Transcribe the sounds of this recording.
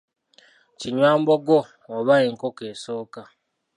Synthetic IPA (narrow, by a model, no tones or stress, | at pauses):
t͡ʃiɲwambɔɡɔː | βaeŋ̩kokesoka